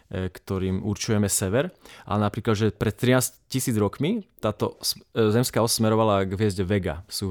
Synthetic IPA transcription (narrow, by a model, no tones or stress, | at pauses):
kt̪ɔɾiːmuɾt͡ʃujɛmɛsɛʋɛɾʔa̰napɾiːklad̪ʒɛpɾɛt̪̚ːɾinaːscisiːd͡zɾɔkmit̪aːt̪ɔszɛmskaːɔssmɛɾɔʋalaɡʋɪɛzɟʋɛɡa̰suː